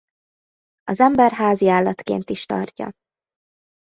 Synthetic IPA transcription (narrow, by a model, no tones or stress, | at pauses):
ɒzɛmbɛrɦaːziaːlːɒt̪kḛːnt̪iʃt̪ɒ̰rcɒ̰